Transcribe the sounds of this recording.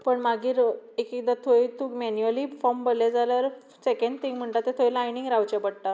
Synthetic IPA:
pəɳmaɡiːɾekekd̪at̪ʰoit̪uːkmɛnjuəliːfɔmbəled͡zaləɾ | sekəɳɖ̚t̪ʰiŋɡm̤əɳʈ̪at̪et̪ʰoilajniŋɡɾawt͡ɕepəɽ̚ʈ̪a

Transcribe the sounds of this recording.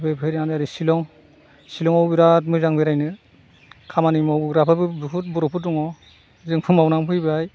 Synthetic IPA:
pʰɯpʰɯjɾianɯaɾisilɔŋ | silɔŋɔwbiɾat̚mɯzaŋbiɾajnɯ | kʰamanimɔwɡɾapʰabɯbɯpʰut̚bɔɾɔpʰutːuŋɔ | zɯŋpʰɯmawnaŋpʰɯjbɯaj

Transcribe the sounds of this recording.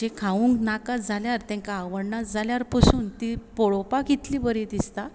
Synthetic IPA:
d͡ʑekʰauŋknakad͡zaljaɾt̪ɛ̃ŋkaːʋəɽɳad͡zaljaɾpəsuːnt̪ipoɭopakit̪libəɾid̪ist̪a

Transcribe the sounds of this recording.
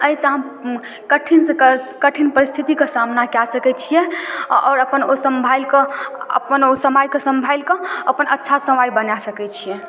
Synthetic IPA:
əisə̃ɦəm | kəʈʰinsẽəkəʈʰinpəɾist̪ʰit̪ikesamnakasəkɛt͡ʃʰijɛɔ̰ːɾəpənosəmbʱajlkəə̰pənosəmajkesə̃mbʱajlkəəpənʔətːʃʰasəmajbənasəkɛt͡ʃʰijɛ

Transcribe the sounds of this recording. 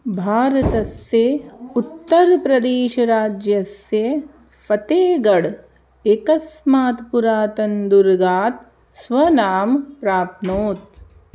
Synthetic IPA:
bʱaːɾɐt̪ɐsjeut̪ːɐɾpɾɐd̪eːʃɐɾaːd͡ʒjɐsje | fɐt̪eːɡɐɽ | ekɐsmaːt̪puɾaːt̪ɐnd̪uɾɡaːt̪ | sʋɐnaːmpɾaːp̚noːt̪̚

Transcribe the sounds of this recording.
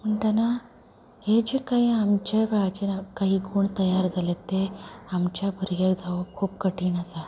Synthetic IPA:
m̤əɳʈana | ɦed͡ʑekaɦiːamt͡ɕaʋɛɭat͡ɕenakaɦiːɡuːɳt̪əjaɾd͡zʱalet̪eamt͡ɕjabʱəɾjakd͡zʱaʋokʰuːpkəʈiːnasa

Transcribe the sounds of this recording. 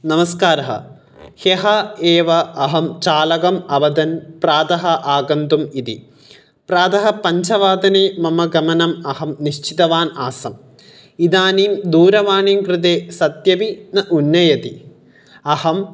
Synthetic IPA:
nɐmɐskaːɾɐɦɐ̰ | heɦɐeːʋɐːɦɐmt͡ʃaːlɐɡɐmɐʋɐd̪ɐnpɾaːd̪ɐɦɐʔaːɡɐnt̪umit̪i | pɾaːd̪ɐɦɐpɐɲt͡ʃʰɐʋaːd̪ɐneːmɐmɐɡɐmɐnɐmɐɦɐmniʃt͡ʃit̪ɐʋaːnaːsɐm | id̪aːniːmd̪uːɾɐʋaːniːmkɾit̪eːsɐt̪jɐʋinɐʔunːɐjɐt̪i | ɐhɐm

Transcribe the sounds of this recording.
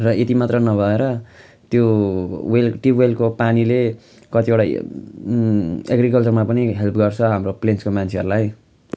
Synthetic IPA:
rʌet̪imat̪rʌnʌbʱʌeɾʌ | t̪jowelʈiwelkopanile | kʌt̪iewʈa | ḛɡɾikʌlt͡sʌrmapʌniɦelpʰɡʌrt͡sʰʌɦamroplenskomant͡sʰeʌɾulaj

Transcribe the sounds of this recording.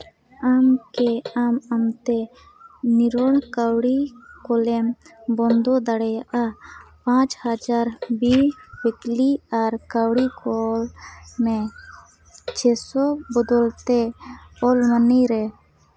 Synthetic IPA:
amkɛamamt̪ɛ | niɾɔɽkawɽikɔlɛmbɔnd̪ɔd̪aɽɛjaʔapãt͡ʃhad͡ʒaɾbibekliaɾkawɽikɔlmɛ | t͡ʃʰɛsɔbɔd̪ɔlt̪ɛɔlməniɾɛ

